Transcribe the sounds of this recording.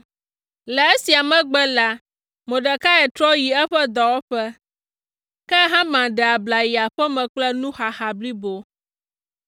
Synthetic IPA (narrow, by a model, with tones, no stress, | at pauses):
lɛ˨e˦si˨a˨mɛ̃˦ɡ͡bɛ˦la˦ | mõ˨ɖɛ˨ka˦ɛ˨t̪ɾɔ˦ji˨ɛ˦ɸɛ˦d̪ɔ˨wɔ˦ɸɛ˦ | kɛ˦ɦã˦mã˨ɖɛ˨a˨bla˨ji˨a˨ɸɛ˦mɛ̃˨k͡plɛ˦nũ˦xa˨xa˨bli˦bo˦